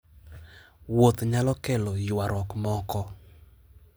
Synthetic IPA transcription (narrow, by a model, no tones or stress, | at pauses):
wot̪ɲalɔkɛlojɪwaɾɔkmɔkɔ